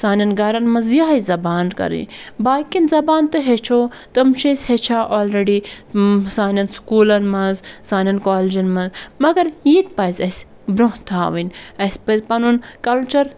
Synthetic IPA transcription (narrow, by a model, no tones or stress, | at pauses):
saːnʲɐnɡɐːɾɐnmɐzjaɦɐjzɐbaːnkɐ̰ɾḭ̃ | baːkinzɐbaːnt̪ɨɦet͡ʃʰoː | t̪ɐmʃesʲhet͡ʃʰaːʔoːlɾeɖi | saːnɐnskuːlɐnmɐzsaːnʲɐnkoːled͡ʒɐnmɐzmɐɡɐɾjit̪̚pɐjzʲɐs | bɾõht̪ʰaːʋinɐsʲpɐzpɐnunkɐlt͡ʃɐɾ